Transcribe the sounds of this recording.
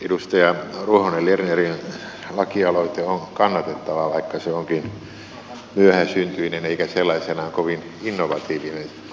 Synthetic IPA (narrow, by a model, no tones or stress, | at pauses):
edust̪ɑjɑruohonellernerin | lɑkiɑloit̪eonkɑnːɑt̪et̪ːɑʋɑʋɑikːɑseoŋkin | myøhæsynt̪yineneikæselːɑisenɑŋkoʋin | inːoʋɑt̪iːʋinen